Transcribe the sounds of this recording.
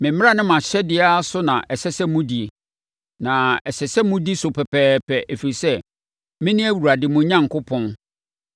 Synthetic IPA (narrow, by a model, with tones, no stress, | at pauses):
mɪ̃˨m̩mɪ̃˦a˦nɪ̃˦mã˨ɕɛ˦dɪ˨˦a˦a˦sʊ˦nã̰˨ʔɛ˨sɛ˦sɛ˦mũ˦di˨e˨ | nã˨ɛ˨sɛ˨sɛ˦mʊ̃˦di˦sʊ˨pʰɛ˨pʰɛː˦pʰɛ˨ʔæ˨fi˨ɾi˨sɛ˦ | mɪ̃˦nɪ̃˦æ˦wu˨ɾa˨dɪ˨mʊ̃˨ɲã˦˨ŋ̩˨kʰʊ˦pʰɔ̃˦n